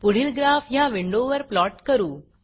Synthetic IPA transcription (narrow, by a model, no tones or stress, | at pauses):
pʊɽ̤ilɡɾaːfʰjãːʋɪɳɖoːʋɐɾplɔːʈkɐɾuː